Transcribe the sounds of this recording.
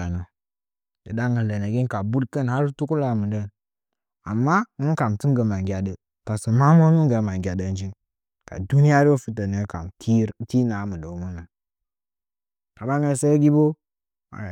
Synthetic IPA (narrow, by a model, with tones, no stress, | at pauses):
a˨na˨ | də˨da˦ŋə˨lə˨na˨ɡi˦n˦ka˨bu˦dkə˦nha˦ɾtu˦ku˦la˨mə˨də˦˨n | a̰˨mːa˦nu˦ŋ˦ka˨m˨ti˦ŋ˦ɡə˨ma˨ŋɡʲa˨də˨ | ta˨sə˨ma˦mo˦nu˦ŋ˦ɡa˨˦ma˨ŋɡʲa˨də˦n˦d͡ʒi˦n | ka̰˨du˦ni˦ja˦ɾo˦o˦fi˦tə˨nə˨˦ka̰˨mi˦ti˦na˨˦mə˨də˨˦mə˦na˨ | ka˨ba˦ŋə˨se˦ɡi˦bo˦ | ma̰˨